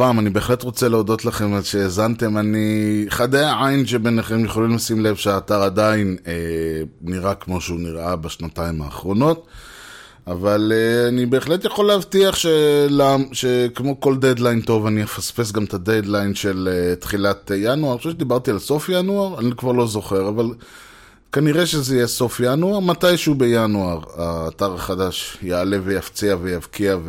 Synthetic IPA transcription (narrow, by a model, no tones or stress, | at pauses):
paːmanibe̞ːχle̞tʁo̞t͡seleodo̞t̪laχe̞mazʃe̞ːzant̪e̞maniχad̪ejaʕainʃe̞be̞neχe̞mjeχolimlasimlevʃeaːtaʁad̪aineː | iʁakmo̞ʃeuniʁʔabaʃnataima̰ːχʁo̞no̞t | avaleanibe̞ːχle̞t̪jaχo̞leːvt̪iaχʃelamʃekmo̞ko̞ld̪ed̪lajnto̞vaniefaspe̞s̬ɡamt̪aded̪lajnʃe̞let̪χilat̪januaʁjoʃevʃed̪ibaʁt̪ialso̞fjanuaʁanikvaʁlo̞zo̞χe̞ʁaval | kaniʁeʃezejeso̞fjanuaʁmat̪ajʃeube̞januaʁaːtaʁaχadaʃjaːle̞vejaft͡siavejavkiav